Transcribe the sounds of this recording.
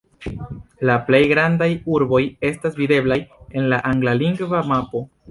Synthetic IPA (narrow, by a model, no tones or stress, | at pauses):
laple̞jɡɾandajuɾbo̞je̞stasvide̞blaje̞nlaʔaŋɡlaliŋɡvamapo̞